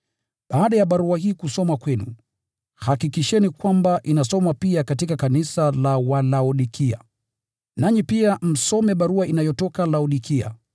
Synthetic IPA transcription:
ɓaːɗajaɓaɾuahiːkusɔmakwɛnu | hakikiʃɛnikwambaʔinasɔmapiakatikakanisalawalaɔɗikʰia̰ | naɲipiam̩sɔmɛɓaɾuaʔinajɔtɔkalaɔɗikia̰

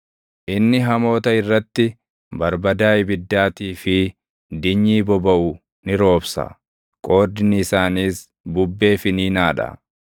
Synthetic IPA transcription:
ʔɪnːɪɦɐmo̞ːt̪ɐɪrːɐt̪ːɪ | bɐɾbɐd̪aːɪbɪd̪ːaːt̪iːfɪ | d̪ɪɲːiːbɔbɐʔʊ | nɪɾo̞ːbsɐ̰ | kʼo̞ːd̪ɪnɪːsaːniːs | bʊbːe̞ːfɪniːnaːᶑɐ̰

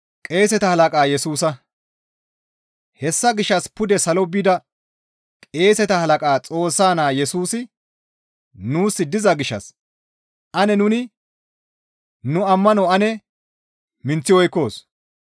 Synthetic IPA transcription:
kʼe̞ːsɛt̪ɐhɐlɐkʼaːjɛsuːsɐ | hɛsːɐɡɪʃːɐspʊd̪ɛsɐlɔbiːd̪ɐ | kʼe̞ːsɛt̪ɐhɐlɐkʼaːt͡sʼo̞ːsːaːnaːjɛsuːsɪ | nuːsːɪd̪ɪzɐɡɪʃːɐ̰s | ʔɐnɛnʊnɪ | nʊɐmːɐnɔɐnɛ | mɪnt͡sːɪwɔjkːo̞ːs

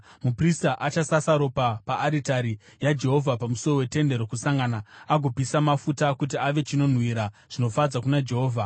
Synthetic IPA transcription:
mupristaʔat͡ʃasasaɾo̞papaʔːɾitaɾijad͡ʒe̞ɦo̞vʱapamuso̞rowe̞te̞nde̞ɾo̞kusaŋɡanaaɡʱo̞pisamafutakut̬iaʋe̞t͡ʃino̞n̤wiɾaʐ̥ino̞fad͡zakunad͡ʒe̞ɦoːvʱa

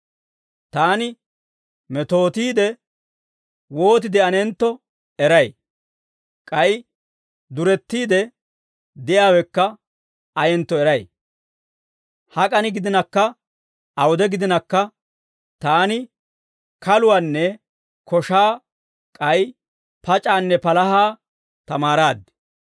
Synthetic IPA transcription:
t̪aːnɪ | mɛt̪o̞ːt̪iːd̪ɛ | wo̞ːt̪̬ɪd̪ɪɐnɛnt̪ːɔ | ɛɾɐj | kʼɐj | d̪ʊɾɛt̪ːiːd̪ɛ | d̪ɪjaːwɛkːɐ | ɐjɛnt̪ːɔɛɾɐj | hɐkʼɐnɪɡɪd̪ɪnɐkːɐ | ɐwɔd̪ɛɡɪd̪ɪnɐkːɐ | t̪aːnɪ | kɐlʊwaːnːɛ | kʰɔʃaː | kʼɐj | pɐt͡ʃʼaːnːɛpɐlɐhaː | t̪ɐmaːɾaːd̪ːɛ̥

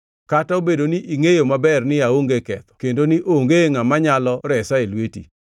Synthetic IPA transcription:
kataobedoniʔiŋejomabɛrnɪaoŋɡekɛt̪ɔ̥kendoniʔoŋɡeŋamaɲalɔɾɛsaelwetḭ

